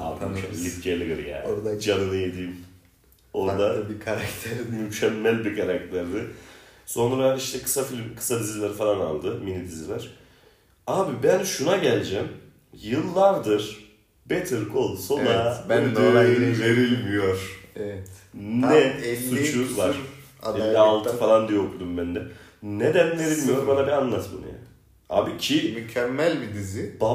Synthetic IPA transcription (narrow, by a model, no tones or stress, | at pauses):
a̰mlʲifcʰelʲiɡɯɾja̰ːoɾd̪d͡ʒanɯnɯjed̪iːm | oɾd̪abkʰaɾakt̪ʰɛɾmymcʰɛmːælʲbikʰaɾak̚t̪ʰlʲæɾd̪ɪso̞nɾaiʃt̪ʰɛkʰɯ̥safilʲkʰɯ̥sad̪izlʲæɾfalˠana̰lˠd̪ɯminid̪ʰizlʲæɾ̥ | aːbibænʃunaɟælʲd͡ʒɛm | jɯlˠːaɾd̪ɯɾ̥ | bet̪ʰɯɾkʰo̞lˠso̞nad̪yve̞ɾilʲmijo̞ɾ̥ɛɛt̪nɛlsːut͡ʃuzvaɾ̥ | ɛlʲːialˠt̪ʰɯfalˠand̪ijɛokʰud̪umbænd̪ɛned̪ænve̞ɾilʲmijo̞ɾbanabianlˠat̪mɯ̰nja̰ːnɪ | a̰ːbicʰimycʰɛmːælʲbid̪izib̥a